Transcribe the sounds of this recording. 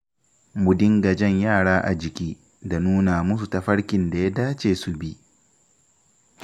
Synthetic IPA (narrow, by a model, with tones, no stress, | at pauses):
mʊ˨dɪ˦ŋɡɐ˨d͡ʒɛ˦ɲjaː˦˨ɽaː˦ʔa˨d͡ʒɪ˨kʲiː˦ | da˨nuː˦naː˨mʊ˦s̬u˨ta˨ɸɐ˦ɽkʲɪ˨nda˨ja˦daː˦t͡ʃeː˨su˨bi˦